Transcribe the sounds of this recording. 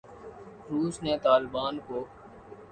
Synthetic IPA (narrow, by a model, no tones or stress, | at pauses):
ɾuːsneːt̪aːlbaːnkoː